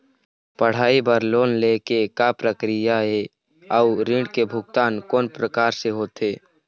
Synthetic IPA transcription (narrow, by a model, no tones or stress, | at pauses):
pəɽ̤aːibəɾloːnlekekapɾəkɾɪjaɦe | ɔuɾɪ̃ɳɖkebʱʊɡ̚t̪aːnkoːnpɾəkaːɾseɦoːt̪eː